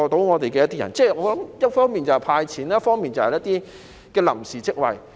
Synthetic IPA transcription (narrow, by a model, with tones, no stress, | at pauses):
ɔː˨t̪o˨˥wŋɔː˨˧t̪e˨jkɛː˧jɐ˥t̪ːiː˥jɐ̰˨˩nt͡sɛː˥˩ŋɔː˨˧˥lɐ˨˦mjɐ˥t̚fɔː˥ŋmiː˨nt͡sɐ˨whɐ˨jpʰaː˧jt͡sʰiː˨˥n˥jɐ˥t̚fɔː˥ŋmiː˨nt͡sɐ˨whɐ˨jɐ˥t̪iː˥ | kɛː˧lɐ̰˨˩msiː˨˩t͡sɪ˥k̚wɐ̰˨j